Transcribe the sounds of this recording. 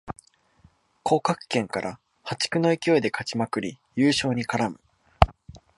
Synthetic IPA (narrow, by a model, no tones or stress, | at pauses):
kʰo̞ːkakɯ̥kẽ̞ŋkaɾʔa̰ | hat͡ɕi̥kɯ̟no̞ikʲio̞id̪e̞kat͡ɕimakɯ̟ɾʲijɯ̟ːɕo̞ːɲ̟ikaɾamɯ̟